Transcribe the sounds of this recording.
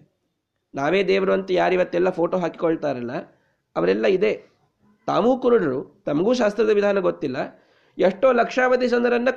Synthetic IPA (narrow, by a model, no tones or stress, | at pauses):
naːʋeːd̪ɛːʋɐɾuɐnt̪ɐjaːɾiʋɐt̪ːɛlːɐpʰoːʈoːɦaːki̥kɔɭt̪aːɾɐlːɐ | ɐʋɐɾɛlːɐid̪e̞ | t̪a̰ːʋuːkuɾuɽɐɾut̪ɐmɐɡuːʃ̬aːst̪ɾɐd̪ɐʋid̪ʱaːnɐɡot̪ːilːɐ | eʂʈo̞ːlɐkʂaːʋɐt̪isɐnd̪ɐɾɐnːɐ